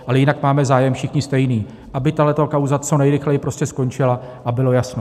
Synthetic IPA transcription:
ʔalɛjɪnakmaːmɛzaːjɛmfʃɪxɲɪst̪ɛjniː | ʔabɪt̪aɦlɛt̪okawzat͡so̞nɛjɾɪxlɛjɪpɾo̞scɛsko̞nt͡ʃɪlaʔabɪlo̞jasno̞

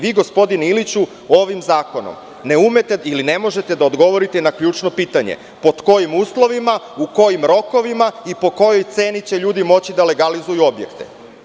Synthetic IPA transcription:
ʋiːɡo̞spo̞d̪inilit͡ɕu | o̞ʋimzaːko̞no̰m | ne̞umet̪eiline̞mo̞ʒe̞t̪e̞d̪aod̪ɡo̞ʋo̞ɾit̪enakʎuːt͡ʃno̞piːt̪aɲḛ | po̞t̪ko̞jimuːslˠo̞ʋima | uko̞jimɾo̞ko̞ʋimaipo̞ko̞jo̞jt̪se̞ːnit͡ɕe̞ʎuːd̪imo̞t͡ɕid̪ale̞ɡalizujuo̞bje̞̰kt̪ḛ

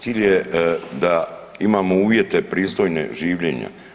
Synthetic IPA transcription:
siːʎjed̪aimaːmouːʋje̞t̪e̞pɾiːst̪o̞jnḛʒiːʋʎeːɲa̰

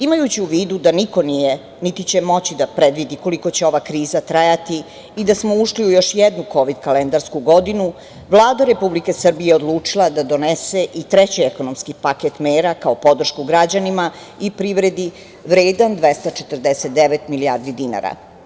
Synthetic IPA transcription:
imajut͡ɕiuʋiːd̪ud̪aniko̞nije | nit̪it͡ɕe̞mo̞t͡ɕid̪apɾed̪ʋid̪iko̞liko̞t͡ɕeo̞ʋakɾiːzat̪ɾajat̪iː | d̪asmouʃliujo̞ʃjɛd̪nuko̞ʋid̪kalend̪aɾskuɡo̞d̪inu | ʋlˠaːd̪aɾe̞publike̞sr̩bijeod̪lˠuːt͡ʂilˠad̪ad̪o̞neseʔit̪ɾet͡ɕieko̞nomskipaket̪meːɾakaopo̞d̪r̩ʃkuɡɾad͡ʑanima | ipɾiʋɾed̪i | ʋɾeːd̪and̪ʋest̪at͡ʃet̪ərd̪eset̪̚d̪eʋet̪miliaːɾd̪id̪ina̰ɾa̰

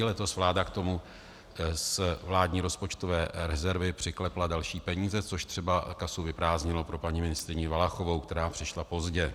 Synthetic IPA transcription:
ɪlɛt̪o̞svlaːdakt̪o̞mu | svlaːdɲiːɾo̞spot͡ʃt̪ovɛːɾɛzɛɾvɪpr̥ɪklɛpladalʃiːpɛɲiːzɛt͡so̞ʃt̪r̥ɛbakasuvɪpɾaːzɲɪlo̞pɾo̞paɲimɪnɪst̪ɾɪɲɪvalaxo̞vo̞wkt̪ɛɾaːpr̥ɪʃlapo̞zɟɛ

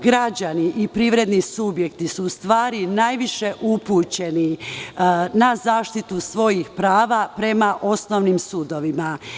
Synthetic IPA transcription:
ɡɾad͡ʑaniʔipɾiːʋɾe̞d̪nisubje̞kt̪isuːst̪ʋaːɾinajʋiʃeʔupuːt͡ɕe̞ni | nazaːʃt̪it̪usʋo̞jixpɾaːʋapɾe̞maʔo̞snoʋnimsuːd̪o̞ʋima

